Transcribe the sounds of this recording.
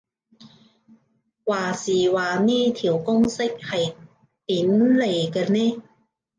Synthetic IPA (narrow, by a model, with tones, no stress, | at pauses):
waː˨˧siː˨˩waː˨niː˥t̪ʰiː˨˩wkʊ˥ŋsɪ˥k̚hɐ˨j | p̪iː˨˦˥nle˨˩kaː˧nɛ˦˥